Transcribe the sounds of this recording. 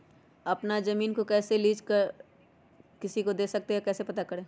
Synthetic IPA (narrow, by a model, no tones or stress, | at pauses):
ɐpnazɐmiːnkokɛːseliːd͡ʒkəɾ | kɪsikod̪eːsɐk̚t̪eakɛːsepɐt̪akɐɾẽː